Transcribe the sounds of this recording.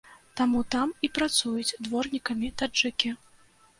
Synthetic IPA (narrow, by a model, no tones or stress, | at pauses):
t̪amut̪amipɾat̪sujut͡sʲd̪vɔrnʲikɐmʲit̪aɨkʲi